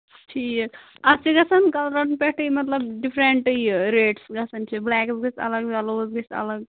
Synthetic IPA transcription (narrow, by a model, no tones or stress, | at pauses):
ʈʰiːk | ɐt͡ʃʰiɡɐsɐnkɐlɾɐnpeʈɨimɐt̪lɐbɖipʰɾeɳʈjɾeːʈsɡɐsɐnt͡ʃʰiblɛːksɡɨt͡ʃɐ̰ləɡaloːzɡɨt͡ʃɐ̰ləɡ̚